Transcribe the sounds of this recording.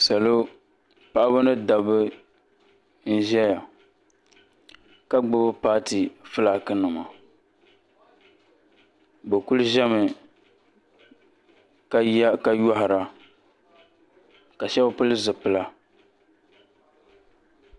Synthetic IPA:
sa˨lo˦ | pa˨ʔa˦bɨ˦nɨ˦da˨bɨ˦ | n̩˦ʒɛ˦ja˨ | ka˦ɡ͡bʊ˦bpaː˦ti˨fɨ˦la˦kɨ˦nu˨ma˨ | bɛ˨ku˦lʒɛ˦mɨ˨˦ | ka˦jɔ˦hɪ˨ɾa˨ | ka˨ʃɛ˦ba˦pɨ˦lɨ˦zɨ˨pɨ˦la˦

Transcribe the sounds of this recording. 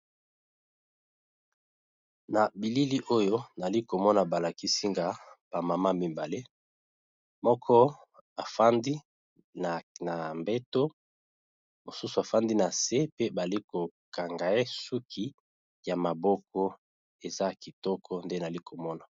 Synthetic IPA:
na˨bi˨li˦li˦ʔo˦jo˦na˨li˦ko˨mɔ˦na˨ba˨la˨ki˦si˦ŋɡa˦b̥a˨ma˨ma˦mi˨mba˨le˦ | mɔ˦kʰɔ˦ | a˨fa˦ndi˦ | na˨na˨mbe˦to˦ | mo˨su˦su˨a˨fa˦ndi˦na˨se˦pe˦ba˨li˦ko˨ka˨ŋɡa˨e˦su˦kʰi˦ | ja˨ma˨bɔ˦kɔ˦ | e˨za˦ki˨tɔ˦kʰɔ˦nde˦na˨li˦kʰo˨mɔ˦na˨

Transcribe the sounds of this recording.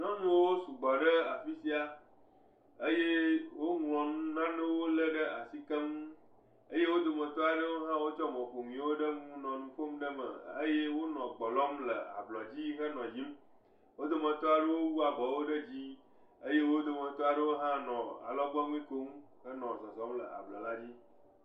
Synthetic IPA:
nɔ̃˦nũ˦wo˦su˨ɡ͡bɔ˨ɖə˦a˨fi˦si˦a˦ | ə˦je˦wo˦ŋlɔ̃˨nũ˦nã˦nẽ˦wo˦lə˦ɖə˦a̰˨si˦kə˦m | ə˦je˦wo˦d̪o˨mə̃˨t̪ɔ˦a˨ɖə˦wo˦ɦã˦wo˦t͡ʃɔ˦mɔ̃˨ɸo˨mĩ˨˦wo˦ɖə˦ŋũ˦nɔ̃˨nũ˨ɸo˦mɖə˦mə̰˨ə̰˦je˦wo˦nɔ̃˨ɡ͡bɔ˨lɔ˦mlə̰˨a̰˨blɔ˨d͡ʑi˦ɦə˦nɔ̃˨d͡ʑi˦m | wo˦d̪o˨mə̃˨t̪ɔ˦a˨ɖə˦wo˦wu˦a˨bɔ˨wo˦ɖə˦d͡ʑi˦ | ə˦je˦wo˦d̪o˨mə̃˨t̪ɔ˦a˨ɖə˦wo˦ɦã˦nɔ̃˨a̰˨lɔ˦ɡ͡bɔ˦ŋʷ˦ĩ˦ko˦m | xə˦nɔ̃˨sɔ˨sɔ˨˦mlə̰˨a̰˨blɔ̰˨la˦d͡ʑi˦

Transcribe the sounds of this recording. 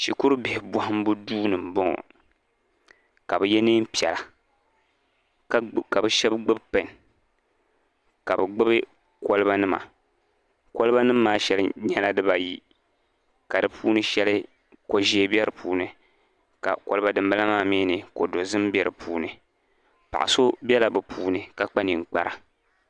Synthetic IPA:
ʃi˨ku˦ɾɨ˦bɪ˨hɪ˨bʷɔ˨hɨ˦m˦bu˦duː˦nɨ˨m̩˨bɔ˦ŋɔ̰˨ | ka˨bɨ˨jɛ˦niː˦m̩˦pi˦˨ɛ˨la˨˦ | ka˨bɨ˦ʃɛ˦bɡ͡bɨ˦bpɛ˨n˨ | ka˨bɨ˨ɡ͡bɨ˦bɨ˦ | ko˦lɨ˦ba˦nɨ˦ma̰˨ | ko˦lɨ˦ba˦nɨ˦mː˦aː˦ʃɛ˦lɨ˦ɲɛ˦la˦dɨ˦ba˨ji˦ | ka˨dɨ˨pʰuː˦nɨ˦ʃɛ˦lɨ˦ | ko˨ʒiː˦bɛ˦ɾɨ˨pʰuː˨˦nɨ˨ | ka̰˨ko˨lɨ˦ba˦dɨ˨m˦ba˦la˦maː˦˨mi˦nɨ˨ko˨do˨zɨ˦m˦bʲɛ˨ɾɨ̰˨puː˦nɨ˨ | pa̰˨ʔa̰˨so˦bɛ˦la˨bɨ˨pʰuː˨nɨ˨ka˨k͡pa˦ni˨ŋ̩˨k͡pa˨ɾa˨

